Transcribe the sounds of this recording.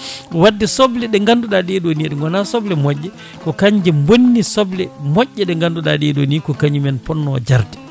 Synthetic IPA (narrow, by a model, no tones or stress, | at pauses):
wadːɛsɔblɛɗɛŋɡanduɗaɗɛɛɗoniɛɗɛŋɡɔnasɔblɛmɔʔːɛ | kɔkaɲd͡ʒɛmbonːisɔblɛmɔʔːɛɗɛŋɡanduɗadiɛɗonikɔkaɲimɛnpɔnːɔ̰d͡ʒaɾdɛ